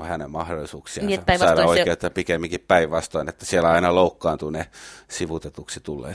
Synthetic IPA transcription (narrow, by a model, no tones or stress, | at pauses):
ohænemmɑhdolːˑisuːksiɑsɑiɾoikeet̪ːɑpikemːiŋkippæiʋʋɑst̪ɑinet̪ːæ̥sielæɑinɑloukːɑːnt̪unesiʋut̪et̪uksit̪ulːḛː